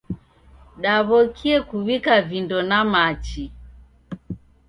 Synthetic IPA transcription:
ɗaβɔkʰiɛkuβikavindɔnamat͡ʃi

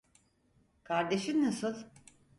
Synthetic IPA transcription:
kʰaɾd̪eʃinnasɯlˠ

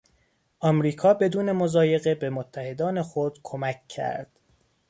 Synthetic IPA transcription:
ʔɒmɾiːkʰɒːbe̞d̪uːne̞mo̞zɒːje̞ɣe̞bemot̪ʰːæhe̞d̪ɒːne̞xod̪̥kʰo̞mæcːʰæ̰ɾd̪̥

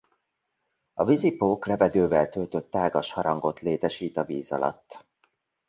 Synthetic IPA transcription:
ɒvizipoːklɛvɛɡ̪øːvɛlt̪ølt̪ø̞t̪ːaːɡɒʃhɒɾɒŋɡo̞t̪leːt̪ɛʃiːt̪ɒviːzɒ̰lɒ̰t̪ː

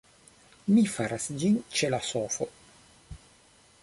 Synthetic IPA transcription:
mifaɾasd͡ʒint͡ʃelasofo̰

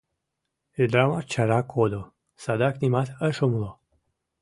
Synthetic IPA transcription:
ed̪ɾamat͡ʃaɾakʰod̪o | sad̪aknʲimat̪əʃomlo

